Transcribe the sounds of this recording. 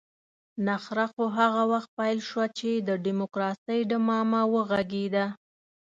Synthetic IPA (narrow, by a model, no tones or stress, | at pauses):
naxɾaxoɦaɣawaxt̪̚pajlʃwat͡ʃed̪əɖimokɾɑsəjɖəmɑmawəɣaɡed̪a